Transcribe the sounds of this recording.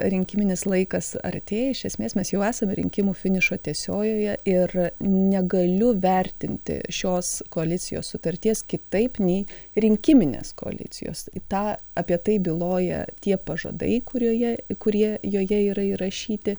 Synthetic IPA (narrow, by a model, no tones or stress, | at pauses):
ɾʲɪŋʲkʲɪmʲɪnʲɪslˠɐɪkɐsɐ̰rʲt̪ʲeːjɛɪʃʲɛsʲmʲeːsmʲɛsjɛʊæːsɐmʲɾʲɪ̰ŋʲkʲɪmuːfʲɪnʲɪʃoːt̪ʲiɛsʲoːjoːjɛʔɪrnʲɛɡɐlʲʊʋʲɛɾʲt̪ʲɪnʲt̪ʲɪ̰ʃʲoːskoːɐlʲɪt͡sʲɪjo̰ːssʊt̪ɐrʲt̪ʲiɛskʲɪt̪ɐɪpnʲɛɪɾʲɪŋʲkʲɪmʲɪnʲḛːsko̰ɐ̰lʲɪ̰t͡s̪ʲɪ̰jo̰ːst̪ɑː | ɐpʲiɛt̪ɐɪbʲɪlˠoːjɛ̰t̪ʲiɛpɐʒɐ̰ːd̪ɐ̰ɪkʊɾʲuːjɛkʊɾʲiɛjoːjɛiːɾɐiɾɐʃʲiːt̪ʲɪ